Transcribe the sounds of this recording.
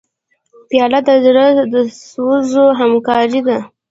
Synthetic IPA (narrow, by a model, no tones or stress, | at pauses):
pjɑlad̪azɾəd̪əswəzoɦamkɑɾid̪a